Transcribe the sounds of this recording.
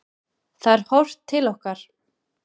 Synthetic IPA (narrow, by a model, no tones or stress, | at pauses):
θaɛɾ̥hɔwr̥t̪ʰːɪlɔhkaɾ̥